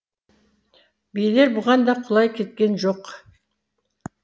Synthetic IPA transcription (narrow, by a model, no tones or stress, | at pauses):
bejle̞ɾbʊʁɑnd̪ɑqʰʊlˠɑjkʲʰe̞t̪̚kʲe̞nʒo̞q